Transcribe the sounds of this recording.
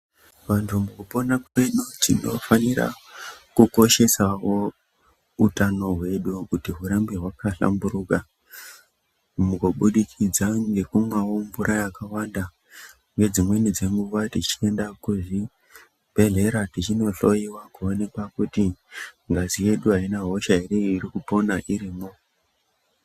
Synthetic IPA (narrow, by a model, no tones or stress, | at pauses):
ʋantʰumukupo̞nakenud͡zḭno̞̰fanira̰kuko̞ʃe̞saʋo̞ | utano̞ɦwe̞ɗukutiɦuɾambiɦwakaɬa̰mbuɾuːka | mukoɓuɗikʰid͡zaŋɡe̞kumwaombuɾajakawanda | ŋɡe̞d͡zimwe̞nid͡ze̞ŋɡuʋatit͡ʃie̞ndakuʐi | b̥ʱe̞ɮe̞ɾatit͡ʃino̞ɬo̞jiwakuone̞kwakutiŋɡazije̞ɗuɦainaɦo̞ʃaɦere̞irikupo̞naʔiɾiːmo̞